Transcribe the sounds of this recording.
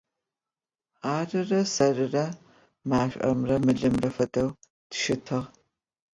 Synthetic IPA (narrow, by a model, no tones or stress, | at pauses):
aːrɨrɐsɐrɨrɐ | maːɕʷʼʔɐ̰mrɐmɨɮɨmrɐfɐdʰɐw | d̥ʃɪtʰɨʁ